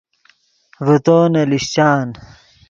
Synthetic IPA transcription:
vut̪oːnɐliɕt͡ɕaːn

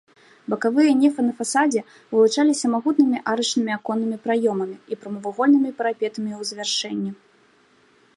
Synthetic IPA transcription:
bɐkavɨjɐnʲɛfɨnɐfasad͡zʲɛ | vɨlˠut͡ʂalʲisʲɐmaɣut̪nɨmʲiʔaɾɨt͡ʂnɨmʲiakɔnːɨmʲipɾajɔmɐmʲiipɾɐmɐvaɣɔlʲnɨmʲipɐɾapʲɛt̪ɐmʲiwzvʲarʂɛnʲːi

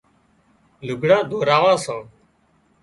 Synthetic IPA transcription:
lʊɡʱɽãːd̪ʱoːɾaːʋãːsãː

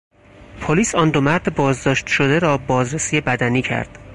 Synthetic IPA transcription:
pʰoliːsɒːnd̪omæɾd̪ebɒːzd̪ɒːʃt̪ʃod̪eɾɒːbɒːzɾesiːje̞bæd̪æniːcʰæ̰ɾd̪̥

